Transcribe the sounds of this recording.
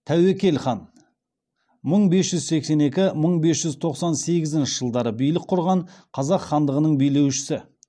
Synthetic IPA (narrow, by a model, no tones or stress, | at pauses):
t̪ʰæwekʲe̞lχɑn | məɴbe̞sʒʏzse̞kse̞ne̞kʲɪməɴbe̞sʒ̥ʏzt̪ʰo̞qsɑnse̞ɡʲɪzɪnʃɪʒəlˠd̪ɑɾəbijlɪk̚qʰːʊɾʁɑɴqʰɑzɑqχːɑnd̪əʁənəɴbijle̞wʃɪ̥sɪ